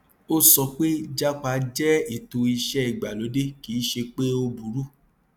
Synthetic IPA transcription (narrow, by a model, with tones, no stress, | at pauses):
o˦sɔ˧k͡pe˦d͡ʒa˦k͡pa˧d͡ʒɛ˦i˦˨to˧i˧ʃɛ˦i˦˨ɡ͡ba˨lo˨˦de˦ki˨˦ʃe˧k͡pe˦o˧bu˨˦ɾu˦